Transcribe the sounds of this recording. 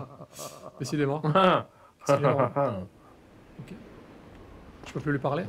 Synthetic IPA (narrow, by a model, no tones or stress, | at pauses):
d̪̥esid̪emɑ̃ | okʲe | t̪y̥pøplylɥipaʁle